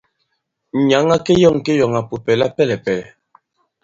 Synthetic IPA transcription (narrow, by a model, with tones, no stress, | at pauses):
ɲa˨˦ŋa˦ke˦jɔ˦˨ŋ˨ke˦jɔ˨ŋa˨pu˨pɛ˨la˦pɛ˦lɛ˨pɛ˨lɛ˨